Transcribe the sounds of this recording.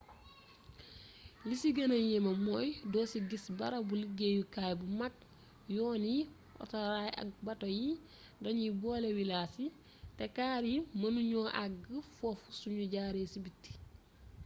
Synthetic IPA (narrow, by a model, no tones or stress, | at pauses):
lisiɡɐnɐjemɐmɔːjdɔːsiɡisbɐɾɐbuləɡeːjukaːjbumak̚ | jɔːni | ʔɔ̰taɾajɐ̰k̚bɐtoji | dɐɲibɔːlewilaːsi | tɛkaːɾimɐnuɲɔːʔaɡəfɔfu̥suɲuɟaːɾeːsibitːi̥